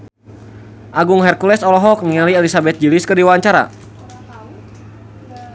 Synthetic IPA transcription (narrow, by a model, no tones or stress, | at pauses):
ʔaɡʊŋɦɛrkulɛsɔlɔɦɔk̚niŋaliɛlisabɛt̪̚d͡ʒilɪskədiwaɲt͡ʃaɾa̰